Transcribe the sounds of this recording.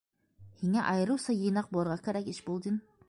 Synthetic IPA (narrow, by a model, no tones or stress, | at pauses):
hiŋæʔɑjɤ̆ɾɯwsɑjɯ̆jnɑq̚bolˠɤɾʁɑkæɾækɪʃbulˠd̪ɪn